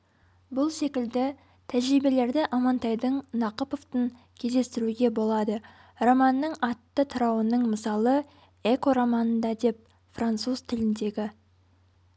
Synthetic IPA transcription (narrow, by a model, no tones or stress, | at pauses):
bʊlˠse̞kʲɪld̪ɪ | t̪ʰæʒɾibe̞le̞ɾd̪ɪʔɑmɑnt̪ɑjd̪əɴnɑqəpo̞ft̪əŋ | kʲʰe̞zd̪e̞st̪ɪɾuɡʲe̞bo̞lˠɑd̪ə | romɑnːəɴɑt̪ːət̪ʰʊɾɑwənəɴməsɑlˠə | e̞ko̞ɾamɑnənd̪ɑd̪e̞p̚ | frant̪suz̥t̪ʰɪlɪnd̪e̞ɡʲɪ